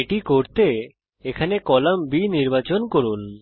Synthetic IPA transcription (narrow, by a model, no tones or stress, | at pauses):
eʈikoɾt̪e | ekʰanekɔlambiniɾbat͡ɕonkoɾun